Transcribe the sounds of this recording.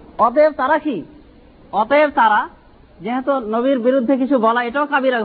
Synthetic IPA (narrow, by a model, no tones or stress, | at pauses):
ɔt̪̬eb̚t̪aɾaki | ɔt̪ebt̪aɾa | d͡ʑeɦɛt̪onoβiɾbiɾud̪ʱːek̬it͡ɕʰubɔlaeʈaokabiɾa